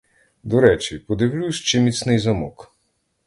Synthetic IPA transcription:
d̪ɔɾɛt͡ʃipɔd̪ɪwlʲusʲt͡ʃɪmʲit̪snɪjzɐmɔk

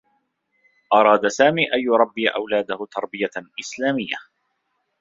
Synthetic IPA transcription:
ʔɑɾˤɑːd̪asaːmiːʔajjʊɾˤɑbːiːʔa̰wlaːd̪ahʊt̪ɑɾˤbɪjaʔɪslaːmɪjːa

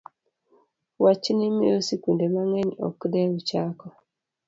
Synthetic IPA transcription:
wat͡ʃnɪmɪ̰osikundemaŋɛɲɔ̰kdɛut͡ʃakɔ

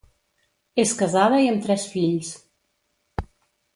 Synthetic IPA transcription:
eskəzaðəiəmt̪ɾɛsfiʎs

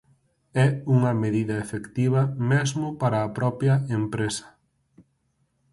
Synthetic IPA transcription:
ɛuŋɐmeðiðɐefekt̪iβ̞ɐmezmʊpaɾɐːpɾɔpjɐempɾesɐ̥

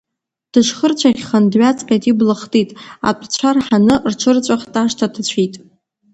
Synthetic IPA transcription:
d̥ɨʂχərt͡ɕʷʰaχʲχandɥat͡sʰʼpʲʼatʼiblɨχtʼitʼa̰pʷʼʰt͡ɕʷʰarħanɨrʈ͡ʂʰɨrt͡ɕʷʼaχtʼaʂtʰadʰt͡ɕʷʰitʼ

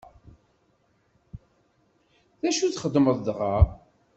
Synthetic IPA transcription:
ðæʃuθχəd̪məðˤðʁa

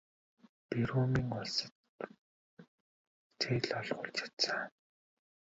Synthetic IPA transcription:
piɾuːmiːŋʊɮsə̆t̪̚ | t͡sʰeːɮɔɮʁʊ̰ːɮt͡ɕʰḁt̪aː

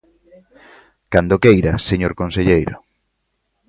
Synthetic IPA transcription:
kand̪okejɾaseɲoɾkonseʎejɾʊ̰

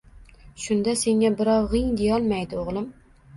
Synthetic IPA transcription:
ʃʊnd̪ase̞ŋabɪɾɒwʁɪŋd̪ejɒlˠmajd̪ɪoʁlˠɪm

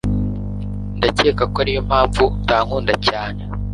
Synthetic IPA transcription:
ndace̞ːkakoaɾijo̞m̥aːɱvutaːŋ̥uːndacaːne

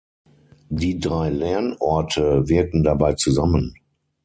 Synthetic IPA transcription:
diːdʁaɪlɛɐnʔɔɐtʰəveɐtn̩dabaɪt͡suzamən

